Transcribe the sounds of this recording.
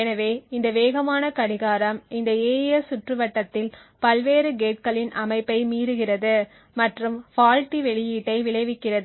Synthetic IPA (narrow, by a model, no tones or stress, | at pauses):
ɛnɐʋeːɪnd̪ɐʋeːɣɐmaːnɐkɐɽɪɣaːɾɐmɪnd̪ɐeːjɐsʊʈrɯʋɐʈːɐt̪ːɪl | pɐlʋeːɾɯɡeːʈ̚kɐɭɪnʔɐmɐɪpːɐɪmiːɾɯɣɪrɐðɯ | mɐʈrɯmfaːlʈiʋɛɭɪjiːʈːɐɪʋɪɭɐɪʋɪkːɪrɐðɯ